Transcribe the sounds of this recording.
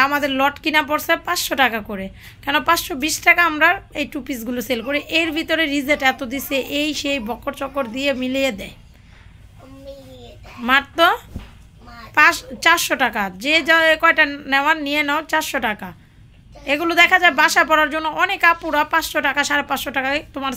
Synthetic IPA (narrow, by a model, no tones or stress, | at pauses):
amad̪eɾlɔʈkinap̬oɾsepãt͡ɕʃoʈakakoɾe | kɛnopãt͡ɕʃobiʃʈakaamɾaɾejʈupis̬ɡuloselkoɾiʔeɾbʱit̪oɾeɾizeʈɛt̪od̪iseʔejʃejbɔkʰːoɾt͡ɕɔkːoɾd̪ijemilijed̪ɛj | maɾt̪o | pat͡ɕaɾʃoʈakad͡ʑed͡ʑakɔeʈaneoanijenɛot͡ɕaɾʃoʈaka | eɡulod̪ɛkʰad͡ʑaebaʃaepɔɾaɾd͡ʑonːoʔɔnekapuɾapãt͡ɕʃoʈakaʃaɾepat͡ɕʃoʈakaket̪omaɾ